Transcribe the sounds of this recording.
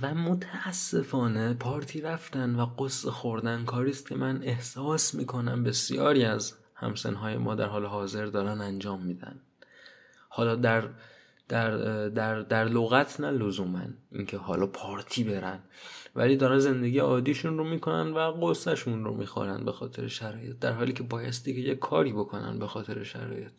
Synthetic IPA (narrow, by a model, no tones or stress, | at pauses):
væmot̪ʰæːsːe̞fɒːne̞pʰɒːɾt̪ʰiːɾæft̪ænvæɡosːexoɾd̪ænkʰɒːɾiːst̪̚cʰe̞mæne̞hsɒːsmḭːkʰo̞næmbe̞sijɒ̰ːɾiːæz | hæ̰msḛnɦɒːje̞̰mʔɒ̰ːd̪æɾɦɒːleɦɒːze̞ɾd̪ɒːɾænænd͡ʒɒːmːiːd̪æ̰n | hɒːlɒːd̪æɾ | d̪̥æɾd̪æɾd̪æɾloɣæt̪ʰnælozuːmæ̰niːŋcʰe̞ɦɒːlɒːpʰɒːɾt̪ʰiːbe̞ɾænvæ̰liːd̪ɒːɾænze̞nd̪eɡiːjeɒːd̪iːʃunromiːkʰo̞næ̰nd̪væɢosæʃunɾo̰miːxo̰ɾænd̪bexɒːt̪ʰe̞ɾeʃæɾɒːjet̪̚d̪æɾɦɒːliːcʰebɒːjest̪iːcʰejekʰːɒːɾiːbo̞kʰo̞næ̰nbe̞xɒːt̪ʰe̞ɾeʃæ̰ɾɒ̰ːje̞t̪̚